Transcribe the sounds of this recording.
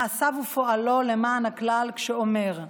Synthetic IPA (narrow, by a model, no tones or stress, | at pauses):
asavufoʔalolemaːnaklalkʃeomeʁ